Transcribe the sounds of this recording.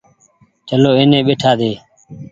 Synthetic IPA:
t͡ʃəloːeːnẽːɓeːʈʰaːd̪eː

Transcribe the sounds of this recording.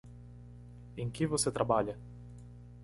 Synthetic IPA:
iŋk̟ivoset̪ɾabaʎa

